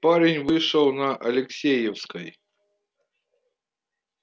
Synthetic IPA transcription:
paɾʲɪnʲvɨʂəlˠnɐʔɐlʲɪksʲejɛfskəj

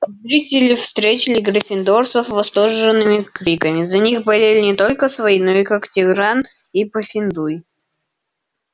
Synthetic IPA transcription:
zɾʲitʲɪlʲɪfst̪ɾʲet͡ɕʲɪlʲɪɡɾəfʲɪnd̪orsəfvɐst̪orʐɨnːɨmʲɪkɾʲikəmʲɪzɐnʲixbɐlʲelʲɪnʲɪt̪o̞lʲkəsvɐinoikaktʲɪɡɾan | ipəfʲɪnd̪uj

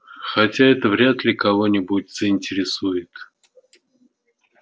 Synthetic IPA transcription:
xɐtʲaɛt̪əvɾʲat̪lʲɪkɐvo̞nʲɪbʊtʲz̥əɪnʲtʲɪɾʲɪsujɪt̪

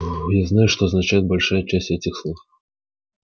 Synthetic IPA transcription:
jaznajuʂt̪ɔɐznat͡ʃajɛd̪̚balʲʂajɐt͡ʃasʲtʲɛt̪ʲixslˠux

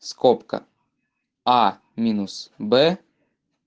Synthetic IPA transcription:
skɔpkɐ̰ | a | mʲinusbɛ

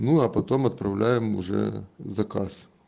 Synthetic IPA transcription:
nuɐpɐt̪o̞mɐt̪̚pɾɐvlʲæjɪmʊ̰ʐɛ̰zɐkas

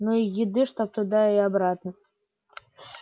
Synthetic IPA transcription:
nuijɪd̪ɨʂt̪op̚t̪ʊd̪aiabɾat̪nə

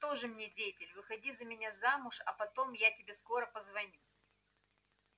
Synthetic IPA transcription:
t̪o̞ʐɨmnʲedʲejɪtʲɪlʲvɨxɐdʲizəmʲɪnʲazamʊʂɐ̰pɐt̪o̞mjatʲɪbʲe̞sko̞ɾəpəzvɐnʲu

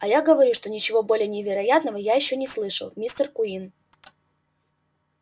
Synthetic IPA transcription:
ɐjaɡəvɐɾʲuʂt̪o̞nʲɪt͡ɕɪvo̞bo̞lʲɪjənʲɪvʲɪɾɐjat̪nəvəjajɪɕːonʲɪslˠɨʂə̰lˠmʲist̪ərkʊin

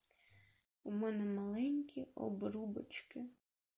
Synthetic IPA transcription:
umɛnɛmɐlˠɛnʲkʲiɔ̰bɾubɐt͡ʃkɪ

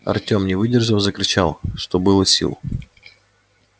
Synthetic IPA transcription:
ɐ̰rtʲo̞mnʲɪvɨdʲɪrʐəlˠzəkɾʲɪt͡ɕalˠʂt̪obɨlˠəsʲḭlˠ

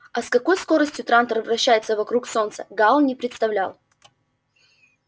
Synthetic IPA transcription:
ɐskɐko̞jsko̞ɾəsʲtʲjʊt̪ɾant̪ərvrɐɕːæjɪt̪səvɐkɾukso̞nt̪səɡalˠnʲɪpɾʲɪt̪st̪ɐvlʲa̰lˠ

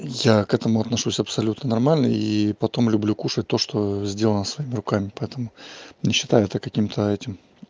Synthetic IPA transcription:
jakɛt̪əmʊɐt̪nɐʂusʲɐpsɐlʲut̪nənɐrmalʲnə̰jipɐt̪o̞mlʲʊblʲukuʂət̚ʲt̪o̞ʂt̪o̞zʲdʲelˠənəsvɐimʲɪɾʊkamʲɪpɐɛt̪əmʊnʲɪɕːɪt̪ajʊɛt̪əkɐkʲimt̪ʰəɛtʲɪm

